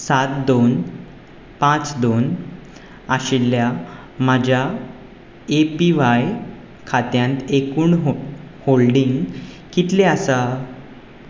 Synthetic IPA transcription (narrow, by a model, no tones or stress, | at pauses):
sat̪d̪on | pãt͡sd̪on | aɕilːja | mad͡ʑʱja | epiʋaj | kʰat̪jãnt̪ekuːɳɦ | holɖiŋɡ | kit̪lẽasa